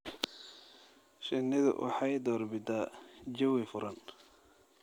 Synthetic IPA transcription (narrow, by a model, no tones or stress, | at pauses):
ʃɪnːɪðʊ̰ʔɑ̰ħɑjd̪ɔːrbɪd̪ad͡ʒɐwɪfʊɾɐn